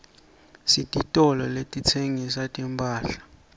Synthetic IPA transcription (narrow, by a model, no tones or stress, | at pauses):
sitʼitʼɔlɔletʼit͡sʰeŋisatʼimpʰʼaːɬḁ